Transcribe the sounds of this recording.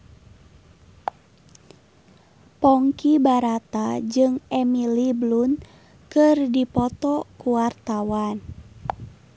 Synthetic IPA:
pɔŋkibaɾat̪ad͡ʒɨŋɛmiliblun | kɨrdipɔt̪ɔkuwart̪awan

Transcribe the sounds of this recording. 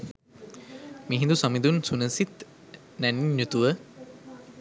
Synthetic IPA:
miɦĩnd̪usamid̪unsunəsit̪ | næniɲːjut̪uʋə

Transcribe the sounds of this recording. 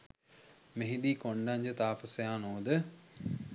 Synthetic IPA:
meɦid̪iːkoɳɖaɲd͡ʒət̪aːpəsejaːnoːd̪ə

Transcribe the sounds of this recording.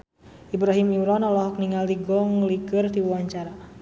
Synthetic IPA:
ibɾaɦimimɾɔnalɔɦɔk̚niŋald̪iɡɔŋliɡɨrd̪iwaɲt͡ʃaɾa

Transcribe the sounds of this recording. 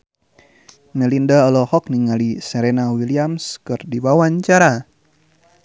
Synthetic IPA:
nɛlindaɔlɔhɔk̚niŋalisɛɾenawiliamskɨrdibawaɲt͡ʃaɾa

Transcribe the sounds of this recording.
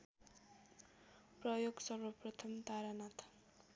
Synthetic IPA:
prʌjoɡsʌɾʌprʌt̪ʰʌmt̪aɾanat̪ʰḁ

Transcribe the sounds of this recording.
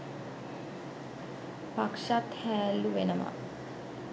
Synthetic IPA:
pakʂat̪hæːlːuʋenəma̰

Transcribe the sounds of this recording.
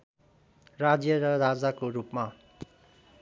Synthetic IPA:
rad͡zjʌɾʌɾad͡zakorupma

